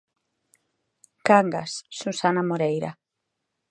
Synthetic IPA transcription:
kaŋɡa̰sːusanamoɾejɾa̰

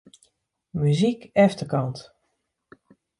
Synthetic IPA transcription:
myzikɛftəkɑnt

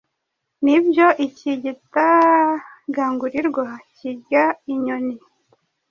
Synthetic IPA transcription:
nibjoʔiciɟita | ɡaːŋɡuɾiɾɡwaciɟaiɲoni

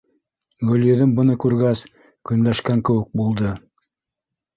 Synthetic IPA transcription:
ɡɵ̆ljɘ̆ðɘmbɤ̆nɤkʉɾɡæs | kɵ̆mlæʃkæŋkɘ̆wɘ̆k̚bulˠd̪ɤ

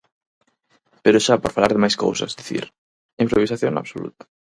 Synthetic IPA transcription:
peɾoʃapoɾfalaɾðɪmajsko̰wsa̰zd̪iθḭɾ | impɾoβisaθjõna̰βsolṵt̪ḁ

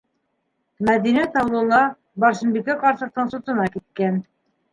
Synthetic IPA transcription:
mæðinæt̪ɑwlˠɤ̆lˠɑ | bɑɾʃɤ̆nbikæqɑɾsɤ̆q̚t̪ɤɴsŏt̪ɤ̆nɑkit̪̚kæn

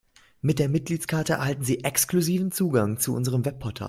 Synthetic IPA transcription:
mɪt̚d̥eːɐmɪt̚ɡ̥liːtskʰaɐtəɛɐhaltn̩ziːʔɛkskluziːvn̩t͡suːɡaŋt͡suʔʊ̰nzəʁ̞əmvɛpʰɔɐtʰa̰ː

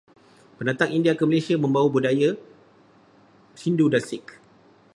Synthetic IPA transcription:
pənat̪aŋindiakəmalesiamə̃mbawabudaja | sindudasɪk

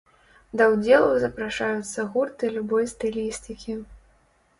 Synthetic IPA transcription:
d̪ɐwd͡zʲɛlˠɐwzɐpɾaʂajut̪sːɐɣurt̪ɨlʲubɔjst̪ɨlʲisʲt̪ɨkʲʰi

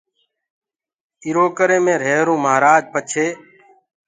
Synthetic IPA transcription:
ɪɾoːkəɾẽːmẽːɾeːɾũːmaːɾaːd͡ʒpət͡ʃʰeː

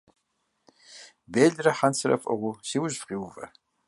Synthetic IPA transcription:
beːɮrɐħansʰɨɾɐ̰fʼɐ̰ʁʷʊsiwʊʒfqʼiwvɐ̰

